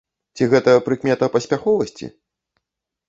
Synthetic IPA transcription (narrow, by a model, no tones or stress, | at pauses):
t͡sʲiɣɛt̪ɐpɾɨkmʲɛt̪ɐpɐsʲpʲaxɔvɐsʲt͡sʲḭ